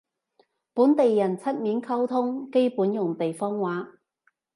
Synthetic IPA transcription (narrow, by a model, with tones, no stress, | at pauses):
puː˨˥nt̪e˨jːɐ˨˩nt͡sʰɐ˥t̚miː˨˥nkʰɐ˥wt̪ʰʊ˥ŋke˥jpuː˨˥njʊ˨˩ŋt̪e˨jfɔː˥ŋwaː˨˥